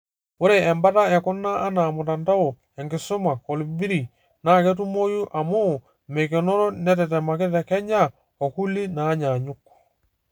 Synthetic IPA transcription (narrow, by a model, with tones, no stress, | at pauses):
o˦ɾe˨ɛ˨mba˦ta˦ɛ˨kɔ˦nːaː˦na˨mu˨t̬a˨nda˦o˨ | ɛ˨ŋɡɪ˨sʊ˦ma˨ko˨lu˨bi˦ɾi˨ | na˦˨kɛ˦t̬u˦mo˦ju˦ʔa˨mo˦˨ | me˨kɛ˨nɔ˦ɾɔ˦nɛ˦t̬ɛ˨t̬ɛ˨ma˨kɪ˦t̬ɛ˨kɛ˦ɲa˦ | o˨ku˦li˦naː˨˦ɲa˨ɲʊ˦kːɔ̥˨